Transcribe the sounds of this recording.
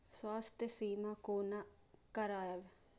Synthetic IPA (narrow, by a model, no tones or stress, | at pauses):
saːst̪esiːmaːkoːnaː | kəɾaːəʋ